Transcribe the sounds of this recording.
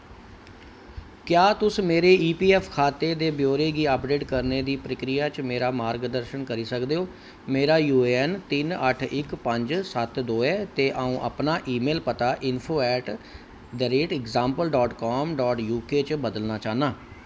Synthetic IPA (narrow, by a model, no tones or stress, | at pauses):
kjaːt̪ʊsmeːɾeːʔiːpiːɛːpʰkʰaːt̪eːd̪eːbjoːɾeːɡiːəpɖeːʈkəɾneːd̪iːpɾəkɾijaːt͡ʃmeːɾaːmaːɾɡd̪əɾʃənkəɾiːsəkd̪eːoː | meːɾaːjuːɛnt̪ɪnəʈʰɪkpəɲd͡ʒsət̪d̪oːeːt̪eːʔaːũːʔə̰pnaːʔiːmeːlpət̪aːʔɪnpʰoːɛːʈ | ɖ̪əɾeːʈɪkzãːmpəlɖɔːʈkɔːmɖɔːʈjuːkeːt͡ʃbəd̪əlnaːt͡ʃaːnaː